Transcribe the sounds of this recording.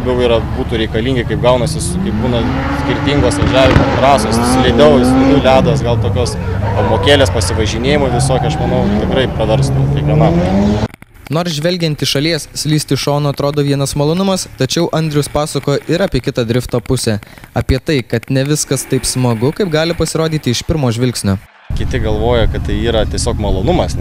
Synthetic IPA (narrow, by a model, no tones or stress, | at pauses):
bʲɛʊiːɾɐbuːt̪uːɾʲɛɪkɐlʲiːŋʲɡʲɪkɐɪp̚ɡɐʊnɐsʲɪskɐɪp̚buːnɐ | sʲkʲɪɾʲt̪ʲiŋɡoːsʋɐʒʲæːʋʲɪmot̪ɾɑːsoːsɪʃʲsʲɪlʲɛɪd̪ɛʊsʲtʲɪlʲʊlʲæːd̪oːsɡɐlˠt̪oːkʲoːs | ɐmoːkʲeːlʲeːspɐsʲɪʋɐʒʲɪnʲeːjɪmoːʋʲɪsoːkʲɪɐʃmɐnɐʊt̪ʲɪkɾɐɪpɾɐʋʲɛɾst̪ɐkʲɐɪkʋʲiɛnɑt̪ɐ | noːɾsʒʲʋʲɛlʲɡʲɛnt̪ʲɪʃɐlʲiɛssʲlʲiːsʲt̪ʲɪʃoːnoːɐt̪ɾoːd̪oːʋʲiɛnɐsmɐlˠoːnʊmɐst̪ɐt͡ʃʲɛʊʔɐnʲd̪ʲɾʲɪjʊspɑːsɐkoːjʔɪɾɑːpʲiɛkʲɪt̪ɐd̪ʲɾʲɪft̪oːpʊsʲɛɐːpʲiɛt̪ɐɪkɐt̪nʲɛʋʲɪskɐst̪ɐɪpsmɐɡʊkɐɪp̚ɡɑːlʲɪpɐsʲɪɾoːd̪ʲiːt̪ʲɪɪʃpʲɪɾmoːʒʲʋʲɪlʲksʲnʲoː | kʲɪt̪ʲɪɡɐlˠʋoːjɛkɐt̪t̪ɐɪiːɾɐt̪ʲiɛsʲoːkmɐlˠoːnʊmɐs